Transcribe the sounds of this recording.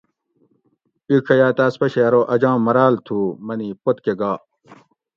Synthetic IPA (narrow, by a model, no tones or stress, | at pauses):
ikʰɐjaːt̪aːspɐɕeɐɾoːʔɐd͡ʑãːmɐɾaːlt̪ʰuːmɐniːpot̪keɡaː